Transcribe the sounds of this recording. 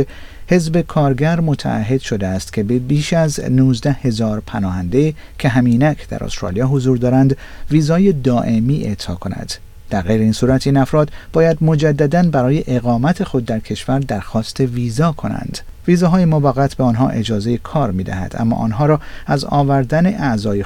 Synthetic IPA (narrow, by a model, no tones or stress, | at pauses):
he̞zbe̞kʰɒːɾɡæɾmo̞t̪ʰæ̰ːɦːe̞d̪̥ʃo̞d̪eæst̪kʲʰe̞bebiːʃæznuːzd̪æhe̞zɒːɾpʰænɒːhænd̪e | cʰe̞ɦæmiːnækʰd̪̥æ̰ɾo̰st̪ɾɒ̰ːlijɒːɦozuːɾd̪ɒːɾænd̪ | viːzɒːje̞d̪ɒːʔe̞miːʔe̞t̪ʰɒ̰ːkʰo̞næ̰d̪̥ | d̪̥æɾɣejɾeiːnsuːɾæt̪ʰiːnæfɾɒːd̪bɒːjæd̪mo̞d͡ʒæd̪ːæd̪ænbæɾɒːje̞ʔeɣɒːmæt̪ʰe̞xo̞d̪ːæɾcʰe̞ʃvæɾd̪æɾxɒːst̪ʰe̞viːzɒːkʰo̞næ̰nd̪̥ | viːzɒːɦɒːjemovæɣæt̪ʰbeɒːnɦɒ̰ːʔe̞d͡ʒɒːze̞je̞kʰɒːɾmiːd̪æ̰hæ̰d̪̥æ̰mːɒ̰ːʔːnɦɒːɾɒːæzɒ̰ːvæɾd̪æne̞ʔæzɒːje